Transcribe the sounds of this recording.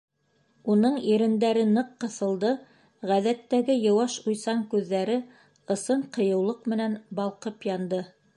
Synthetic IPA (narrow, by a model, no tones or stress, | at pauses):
unɤɴiɾɘ̆nd̪æɾɘnɤqːɤ̆θɤ̆lˠd̪ɤ | ʁæðæt̪ːæɡɘjɤ̆wɑʃujsɑŋkʉðːæɾɘ | ɤ̆sɤɴqɤ̆jɤ̆wlˠɤqmɘ̆nænbɑlˠqɤpjɑnd̪ɤ